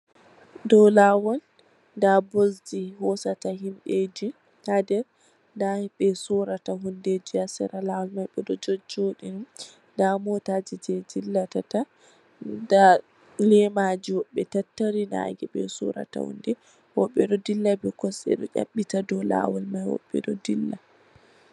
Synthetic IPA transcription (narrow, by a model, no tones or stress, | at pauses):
dɔlawɔl | dabosd͡ʒihɔsataɦimɓed͡ʒi | hadɛɾ | ndaɓɛsuɾataɦundɛd͡ʒiasɛ̰ɾalawɔlmajɓɛɗɔd͡ʒod͡ʒoɗinum | damɔtad͡ʒid͡ʒɛdilːatata | da | lɛmad͡ʒiwɔɓːɛtatːaɾina̰ɡɛɓɛ̰sṵɾa̰ta̰hṵndɛ | wɔɓːɛɗɔdilːabɛkɔsɛ̰ɗɔʔʲa̰ɓːitadɔla̰wɔlmajwɔ̰ɓːɛ̰ɗɔdilːa